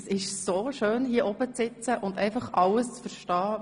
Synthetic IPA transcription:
sɪʃsoːʃøːnhiəʔɔb̥ət͡sɪt͡səʔʊndɛ̰ɪfɑχʔɑləst͡sfəɾʃtɑː

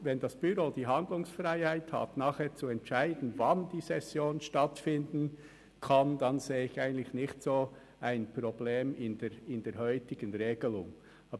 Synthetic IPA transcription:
vɛndasb̥yɾoːd̥iːɦandlʊŋsfraɪhaɪtha̰tnaːχheːt͡suɛntt͡ʃaɪdn̩vand̥iːsɛsjoːnʃtatfɪndn̩ | kʰand̥anzeːəɪçaɪɡən̩tlɪçnɪçtsoː | aɪnpʁobleːmɪndɛɪndeːɾhœʏtɪɡ̥ənʁeːɡ̥əlʊŋ | ʔɑːb

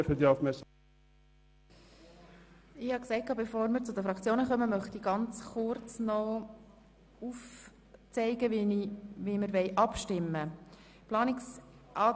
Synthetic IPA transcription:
fəd̪iɑfmɛs | ɪhɑksɛɪt̚kʰɑːbɛfoːɾməɾt͡sʊdəfɾɑkt͡sjoːnəχœməmœχtiɡ̥ɑnt͡sχʊɾt͡snɔ | uf | t͡sɛɪɡəʋnʋiməɾʋɛɪʔɑpʃtɪmːə | plɑːnɪksʔɑː

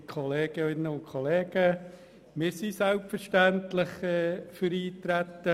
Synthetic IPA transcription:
kʰɔleːɡ̥əɪnːəʊntkʰɔleːɡ̥ə | mɪːɾsisælpfəɾʃtæntlɪχɛføɾiːtɾæt̪ːə

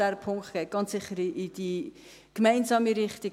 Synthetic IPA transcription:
æɾpʰʊŋktɡ̥ɛɪt̚ɡ̥ɑnt͡ssɪχːəɾʔɪd̥i | kmɛɪnzɑːmiɾɪχti

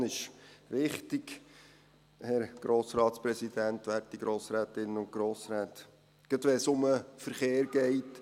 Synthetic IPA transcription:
nɪʃʋɪχtɪɡ̥ | hɛɾɡ̥ɾoːsɾɑːtspɾɛsid̥̪ænt̪ʋætiɡ̥ɾʔoːsɾæːt̪ɪnːəʊn̚ɡ̥ɾoːsɾɛːt̪ | ɡ̥ət̪ʋɛsʊməfəɾχeːɾɡ̥ɛɪt

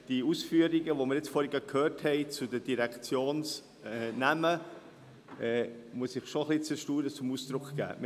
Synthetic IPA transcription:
d̥iusfyːəɾiɡəʋomɪɾjɪt͡sfɔɾiɡəkʰhøːɾthɛɪt͡sudədiɾɛkt͡sjoːns | ɛnæmə | ɛːmuəsɪχʃoχlit͡səʃtuːɾət͡sʊmusd̪̥ɾʊkχɡ̥æ̰ːm

